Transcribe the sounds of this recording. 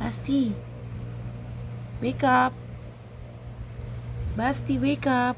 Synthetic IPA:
bast̪i | wekap̚ | bast̪iwekap̚

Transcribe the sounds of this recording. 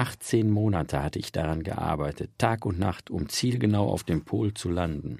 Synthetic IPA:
ʔaχt͡seːnmoːnatʰəhatəɪçd̥aʁanɡə̰ʔa̰ɐbaɪtʰətʰːaːkʊntna̰χtʊmt͡siːlɡənaʊa̰ʊfd̥eːmpʰoːlt͡sulandn̩

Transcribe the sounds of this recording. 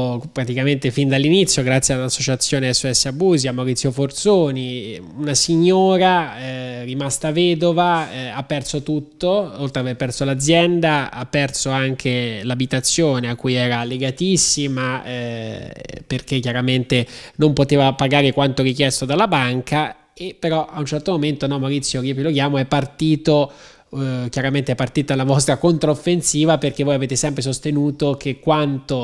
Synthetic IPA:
pɾat̪ikament̪efind̪alːinit̪sːjoɡɾat̪sjealːasːot͡ʃat̪sːjoːneɛsːoɛsːeabuːziamːaɾit̪sːjofort̪soːni | unasiɲːoːɾa | rimast̪avɛːd̪ovaapːɛrsot̪ut̪ːoolt̪ɾeaverpɛrsolad̪zjɛnd̪aapːɛrsoaŋkʰelabit̪at̪sːjoːneakːujɛːɾalːeɡat̪isːima | perk̟ekːjaɾament̪enompot̪eːvapaɡaːɾekwant̪oɾikjɛst̪od̪alːabaŋka | epːeɾɔʔaunt͡ʃɛrt̪omoment̪onɔmːawɾit̪sːjokiopilok̟jaːmoɛpːart̪iːt̪o | k̟jaɾament̪eɛpːart̪iːt̪oalːavɔst̪ɾakont̪ɾaofːensiːvaperkevojaveːt̪esɛmp̬ɾesost̪enuːt̪ok̟ekːwant̪o

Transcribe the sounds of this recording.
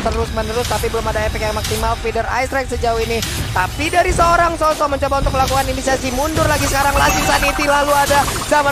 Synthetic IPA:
t̪əɾʊsmənəɾʊst̪apibəlʊmadaefɛk̚jaŋmaksimalfidəra̰jsɾak̚səd͡ʒauini | t̪apidaɾisəoɾaŋsosɔməɲt͡ʃobaunt̪ʊkməlakukaninisasimundʊrlaɡisəkaɾaŋlasisanit̪ilaluadazama

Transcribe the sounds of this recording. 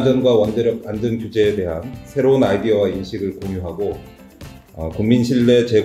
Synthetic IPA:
d͡ʑʌnɡwawʌnd͡ʑeɾjʌk̚ːandɯnkjud͡ʑe̞ːde̞ɦansʰe̞ɾounajdiʌwainɕʰiɡɯɭkoŋjuɦaɡo | ʌkuŋminɕʰiɭːe̞t͡ɕe̞

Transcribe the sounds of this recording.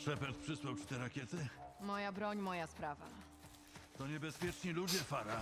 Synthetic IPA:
ʂɛpɛnt̪̚pʂɘswawt͡ɕi̥t̪ɛɾakʲɛt̪ɘmɔjabɾɔɲmɔjaspɾava̰ | t̪ɔɲɛbɛspʲjɛt͡ʂɲilud͡ʑɛfaɾa

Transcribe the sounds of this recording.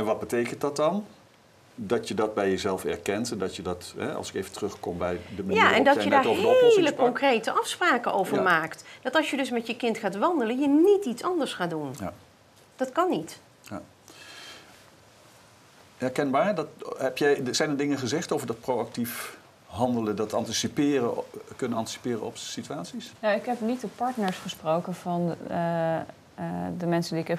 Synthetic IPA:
ɛnʋɑd̚bətejkəntdɑt̚dɑn | dɑtjədɑt̚bɛjəzɛlˠfɛ̰ɹkɛntɛndɑtjədɑtɦɛ̰ɑ̰lˠsɪkejvəntərɵχkɔmbɛjdəməjaɛ̰ndɑjədaːɹoɦeləkɔŋkrejtəʔɑfspraːkəʔowvəɹmaːktd̥ɑtɑlˠsjədɵsmɛtjəkɪntχaːtʋɑndələnjənititsɑndəɹsχaːdunj | d̥ɑtkɑnit | ja | ɛɹkɛnbaːɹdɑtɛpjɛjz̥ɛjndədɪŋəχəzɛχtovəɹdɑt̚prowak̚tif | ɦɑndələdɑtɑ̰ntisipɪːrəkɵnənɑnti̥si̥pɪːrəɔ̰psityaːtsisnowɪkɦɛpnit̚dəpɑɹtnəɹsχəsprowkənvɑn | dəmɛnsədiɪkɛ

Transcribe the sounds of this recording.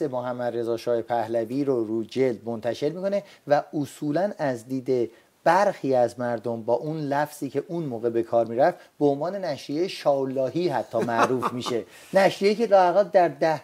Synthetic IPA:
semoɦæmːæd̪re̞zɒːʃɒːhepʰæhlæviːɾoɾuːd͡ʒe̞ld̪̚mo̞nt̪ʰæʃe̞ɾmiːkʰo̞ne̞ | væosuːlænæzd̪iːd̪e̞ | b̥æɾxiːæzmæɾd̪ombɒːʔunlæfz̥iːcʰe̞ʔunmoːɣe̞be̞kʰɒːɾmiːɾæft̪beonvɒːne̞næʃɾijejeʃɒːlːɒːɦiːɦæt̪ʰːɒːmæʔɾuːfmiːʃe̞ | næʃijeiːcʰe̞lɒːhæɣæd̪æɾd̪æh

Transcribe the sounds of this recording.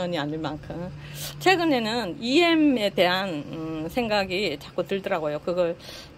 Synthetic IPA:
ʌɲiaɲiɭmankʰɯm | t͡ɕʰwe̞ɡɯne̞nɯnie̞me̞te̞ɦanɯsʰe̞ŋɡaɡit͡ɕak͈utɯɭdʌɾaɡojokɯɡʌɭ

